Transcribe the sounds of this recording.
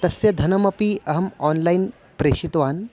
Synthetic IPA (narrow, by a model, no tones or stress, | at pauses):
t̪ɐsjɐd̪ʱɐnɐmɐpiɐɦɐmɔːnlajn | pɾeːɕit̪ʋaːn